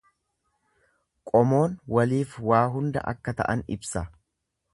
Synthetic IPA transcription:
kʼɔmo̞ːnwɐliːfwaːɦʊnd̪ɐ̰ʔɐ̰kːɐt̪ɐ̰ʔɐnɪ̰bsɐ

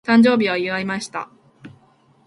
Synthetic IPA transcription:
t̪ãɲd͡ʑo̞ːbʲiβ̞aiɯβaimaɕi̥t̪a̰

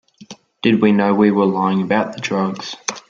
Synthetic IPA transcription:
d̥ɨd̚winəʊwiwə˞laɪɪ̃ŋəbaʊt̪̚ðədɹʌɡz̥

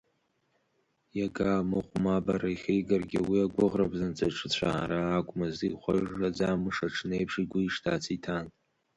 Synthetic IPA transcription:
jaɡaːmɨqʷʼmabaɾaiχʲejɡarɡʲɪ̰wiaɡʷʊʁrabzant͡sʼaʈ͡ʂʰɨt͡sʷʰa̰ːɾaːkʷʼmaziχʷa̰ʐrad͡zamɨʂaʈ͡ʂʰnejpʰʂiɡʷʊiʂtʰa̰ːt͡sʰitʰan

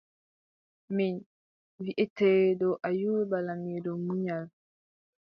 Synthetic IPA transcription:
min | viʔɛtɛdɔʔajuwɛbalamidɔmuɲal

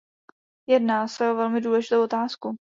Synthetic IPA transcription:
jɛdnaːsɛovɛlmɪduːlɛʒɪt̪owo̞t̪aːsku

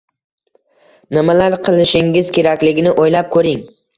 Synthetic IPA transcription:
nɪmalaɾqʰɨlˠɪʃɪŋɪzkʲʰe̞ɾakʲlɪɡʲɪnɪʔojlap̚kʰɵɾɪŋ

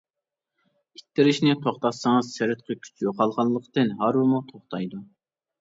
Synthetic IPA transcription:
it̪ːɪɾɪʃnɪt̪ʰoχt̪ɑsɨŋəzsɪɾɪt̪̚qʰəkʲʰy̥t͡ʃʰjoqʰɑlˠʁɑlˠːəqt̪ɨnɦɑɾwɨmut̪ʰoχt̪ʰɑjd̪u

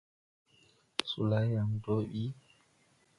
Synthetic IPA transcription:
sulajamdoɓi

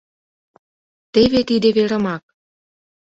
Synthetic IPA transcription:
t̪eβet̪id̪eβeɾə̆mɑk̚

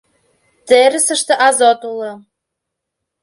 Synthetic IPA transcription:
t̪eɾɘ̆sə̆ʃt̪ɤ̆ʔɑzot̪ulˠɤ̆

